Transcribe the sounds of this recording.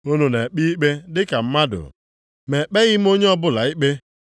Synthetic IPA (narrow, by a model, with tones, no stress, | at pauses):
o˦no˨ne˨k͡pi˦i˦k͡pe˦dɪ˦ka˨m̩˦ma˦dʊ̰˨ɾ̰ | me˨k͡pe˦ɣɪ˦m̩˦o˦ɲe˦ɔ˦bʊ˦la˨i˦k͡pe˦